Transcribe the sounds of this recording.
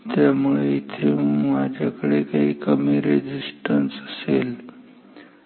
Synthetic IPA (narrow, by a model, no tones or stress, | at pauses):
t̪jamuɭeit̪ʰeũmad͡ʑakəɽekaɦiːkəmiɾed͡ʑisʈənsəsel